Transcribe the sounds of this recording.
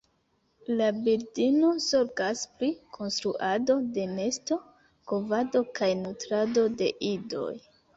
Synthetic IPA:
labiɾdinosoɾɡaspɾikʰo̞nstɾuʔado̞de̞ne̞sto̞ | kovado̞kajnutɾado̞de̞̰ʔido̞̰j

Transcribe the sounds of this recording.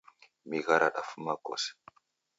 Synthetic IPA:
miɣaɾaɗafumako̰s

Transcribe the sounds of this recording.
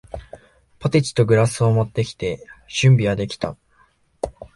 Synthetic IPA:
po̞t̪et͡ɕi̥t̪o̞ɡɯ̟ɾasɨo̞mo̞t̪ːe̞kʲi̥t̪e̞ɕɨ̃mbʲiɡad̪e̞kʲi̥t̪a̰

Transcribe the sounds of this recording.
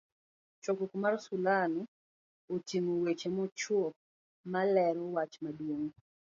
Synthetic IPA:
t͡ʃɔkokmarsulan | otimowet͡ʃemɔt͡ʃwɔ | malɛɾɔwat͡ʃmadwoŋ

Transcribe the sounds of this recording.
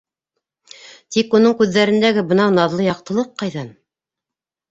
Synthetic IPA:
t̪ikunɤɴkʉðːæɾɘ̆nd̪æɡɘbɤ̆nɑwnɑðlˠɤjɑq̚t̪ɤ̆lˠɤqːɑjðɑn

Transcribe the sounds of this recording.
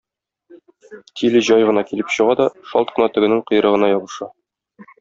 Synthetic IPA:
t̪ʲʰilɘʑɒjʁɤ̆nɑkilɘpɕɤ̆ʁɑd̪ɒʃɒ̰lt̪̚qɤ̆nɑt̪ɵ̆ɡɘ̆nɘɴqɤ̆j̆ɾɤ̆ʁɤ̆nɑjɒbɤ̆ʃɑ

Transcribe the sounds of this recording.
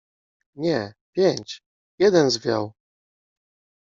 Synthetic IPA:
ɲɛpʲjeɲt͡ɕ | jɛd̪ɛnzvʲja̰w

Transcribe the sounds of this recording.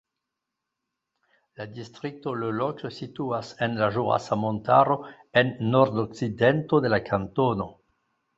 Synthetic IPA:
ladistʁik̚tololokəsituasenlaʒuʁa̰samontaɾo̞ | enːoɾdoksidentod̪elakʰantono

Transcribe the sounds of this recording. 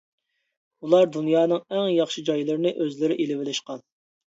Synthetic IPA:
ulˠɑɾd̪unjɑːnɨŋɛŋjɑχʃid͡ʒɑjlˠɨɾɪnɨʔøzlɪɾɪʔelɪvɪlɪʃqɑn

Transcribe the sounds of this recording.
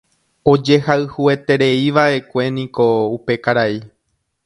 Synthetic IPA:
o̞d͡ʒe̞haɨhue̞t̪e̞ɾe̞iʋae̞kʷe̞nĩko̞upe̞kaɾai

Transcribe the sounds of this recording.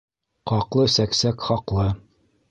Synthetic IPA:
qɑqlˠɤsæksækχɒqlˠɤ

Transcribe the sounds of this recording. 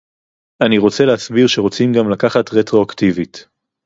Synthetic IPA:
aniʁo̞t͡seleasbiʁʃeʁo̞t͡simɡamlakaχatʁetʁo̞aktivit

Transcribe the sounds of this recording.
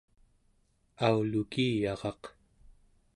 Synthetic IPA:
aulukijɑʁɑq

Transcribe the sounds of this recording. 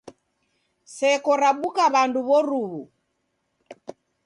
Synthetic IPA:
sɛkɔɾaɓukaβanduβɔɾuβu

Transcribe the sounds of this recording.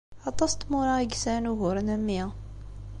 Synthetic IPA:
ʕɑt̪ˤːɑst̪mʊɾˤɑɡsænuɣʊɾˤnæmːiæ

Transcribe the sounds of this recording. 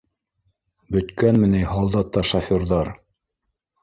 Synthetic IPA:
bɵ̆t̪kænmɘ̆nɘjhɑlˠd̪ɑt̪ːɑʃafʲoɾðɑɾ

